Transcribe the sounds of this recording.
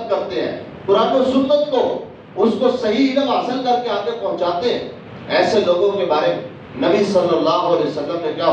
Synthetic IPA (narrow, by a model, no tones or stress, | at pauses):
kɐɾt̪eɦɛ̰̃ː | kʊɾaːnosʊnːət̪ko | ʊskosɐɦiɪlɐbɦasəlkɐɾkeaːɡepɐɦʊ̃t͡ʃaːt̪eɦɛ̃ː | ɛːseloːɡõkebaːɾe | nɐbisɐlːəlːaːɦʊɐleːosɐlːəmnẽkjaː